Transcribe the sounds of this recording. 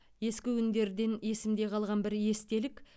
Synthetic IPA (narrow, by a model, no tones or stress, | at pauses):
je̞skʲɪʏnd̪e̞ɾd̪e̞nje̞sɪmd̪e̞qʰɑlˠʁɑnbɪɾje̞st̪e̞lɪkʲ